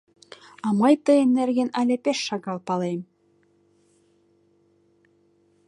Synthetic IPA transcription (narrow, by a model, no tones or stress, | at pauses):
ɑmɑjt̪ɤemnerɣenælʲĕpeʃːɑɣɑlˠpɑlem